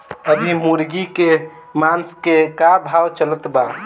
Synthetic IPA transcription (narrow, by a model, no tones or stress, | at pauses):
əb̪ʱimuɾɡike | manskekabʱawt͡ʃələt̪ba